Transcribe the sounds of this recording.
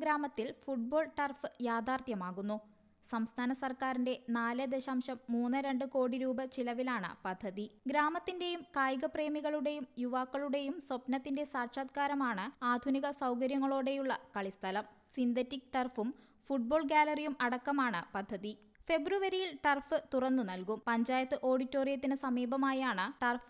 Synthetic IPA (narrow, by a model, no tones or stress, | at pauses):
ɡɾaːmɐt̪ːilfuʈ̚bo̞ːɭʈɐrfɨjaːd̪ʱaːrt̪jɐmaːɣunːu | sɐmst̪ʰaːnɐsɐrkaːɾinde̞naːlɨd̪eɕaːmɕɐmːuːnːɨɾe̞ɳɖɨko̞ːɽiɾuːbɐt͡ɕilɐʋilaːɳɨ̰pɐd̪ʱːɐðiɡɾaːmɐt̪ːinde̞jumkaːjɣɐpre̞ːmiɣɐɭuɽe̞jumjuʋaːkːɐɭuɽe̞jumswopnɐt̪ːinde̞saːrʂaːd̪̚kaːɾɐmaːɳɨaːd̪ʱuniɣɐsɐwkɐɾjɐŋːɐɭo̞ːɽe̞juɭːɐkɐɭist̪ʰɐlɐm | sind̪ʱetːikʈɐrfum | fuʈ̚bo̞ːɭɡaːlɐrijumɐɽɐkːɐmaːɳɨpɐd̪ʱːɐði | fe̞bruʋɐɾijilʈɐrfɨt̪urɐnːɨnɐlkumpɐɲd͡ʑaːjɐt̪ːɨʔo̞ːɽitːo̞ːrijɐt̪ːinɨsɐmiːbɐmaːjaːɳɨʈɐrf